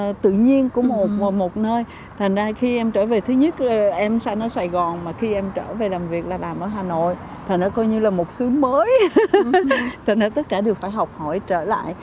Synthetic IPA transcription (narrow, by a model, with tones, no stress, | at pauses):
t̪ɨ̰˧˨ɲi˧ənkṵ˧˥mo˨˩˨mo˨˩t̚nəː˧j | t̪ʰa˨˩jŋ̟zaː˧xi˧ʔɛ˧mt͡ɕəː˧˩ve˨˩t̪ʰɨ˨˦ɲə˦˥t̚ːʔɛ˧msa˧jŋʔɔ˧˦saː˨˩jɣɔ˨˩nmaː˨˩xi˧ʔɛ˧mt͡ɕəː˧˩ve˨˩laː˨˩mvi˨˩ək̚laː˨˩laː˨˩mʔəː˧˩˦ɦaː˨˩no̰˧˨j | t̪ʰa˨˩ŋ̟zɔ˨˦kɔ˧jɲɨ˧laː˨˩mo˨˩t̚sɨ˨˦əŋməː˨˦j | t̪ʰa˨˩ŋ̟zaː˧˩t̪ə˦˥t̚kaː˧˩ɗɨ˨˩ək̚faː˧˩jɦɔ˨˩wk͡p̚hɔ˧˩jt͡ɕəː˧˩la̰ː˧˨jʔ